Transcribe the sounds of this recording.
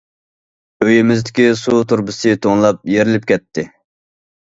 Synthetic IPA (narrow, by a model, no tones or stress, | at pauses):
øjɪmɪzd̪ɪkʲisut̪ʰuɾbɨsɨt̪ʰoŋlˠɑp̚jeɾɪlɪp̚kʲʰɛt̪ʰːɪ